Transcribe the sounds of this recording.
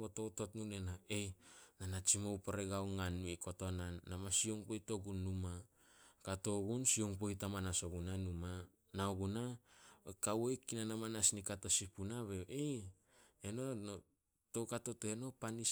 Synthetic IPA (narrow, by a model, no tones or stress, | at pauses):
botototnunenaejnanat͡ʃimowpoɾeɡawŋanuikotonanːamasioŋpojto̞ɡunːuma | kato̞ɡunsioŋpojtamanaso̞ɡunanuma | naoɡuna | kawojkinanamanasnikato̞sipunaβeʔej | eno̞no | towkato̞teno̞pani